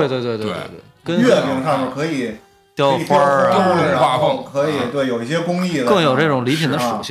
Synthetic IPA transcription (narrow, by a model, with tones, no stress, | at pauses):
we˥˧ɪwe˥˧ɪt̪we˥˧t̪e˥˧˥wḛ˧˥˧t̪wḛ˥˩kə˥nɥɛ˥˩mʰi˧˥ŋʂa˥˧mə˨˩kʰɤ˧˥i˨˩˦ | t̪jɑ˥˩ʊ˨˩fa˥˧˥li˨˩˥wa˥˧˥kʰɤ˧˥˨t̪we˥˩ɪjo˨˩ʊi˥˩ɕ̬jɛ˥kʊ˥ŋi˥˩d̪əkɤ˥˩ŋjo˨˩ʊʈ͡ʂɤ˥˩ʈ͡ʂʊ˨˩ŋli˧˥pʰi˨˩nd̪ə˦ʂṵ˨˧˩ɕ